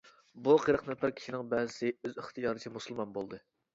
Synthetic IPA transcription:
buqʰəɾəqnɛpʰæɾkʲʰi̥ʃinɪŋbɛzɪsɪøziχt̪ʰɨjɑːɾɨt͡ʃʰimusulˠmɑnbolˠd̪ɨ

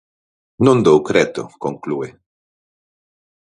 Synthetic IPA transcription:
nund̪owkɾet̪o̰koŋklue

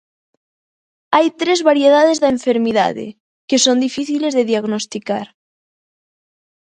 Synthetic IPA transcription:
ajt̪ɾezβaɾjeð̞að̞ezðaeɱfeɾmiða̰ðḛ | kesond̪ifiθilezðeðijaɣnost̪ikaɾ

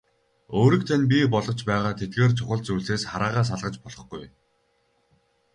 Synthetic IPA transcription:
oːɾiːk̚t̪ʰanʲp̬ʲipɔɮʁɞ̆t͡ɕpæːʁaːt̪ʰet̪̚ɡeːrt͡ɕʰʊχə̆ɮt͡sujɮeːsχaɾaːʁaːs̬aɮʁə̆t͡ɕpɔɮʁɞ̆χɡuj

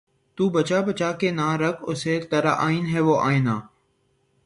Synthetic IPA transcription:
t̪uːbət͡ʃaːbət͡ʃaːkeːnãːɾəkʰʊseːt̪əɾaːʔaːiːnɦɛːʋoːʔaːĩːnãː

